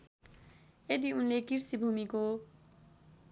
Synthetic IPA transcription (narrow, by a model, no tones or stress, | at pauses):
ed̪iunlekiɾsibʱumiko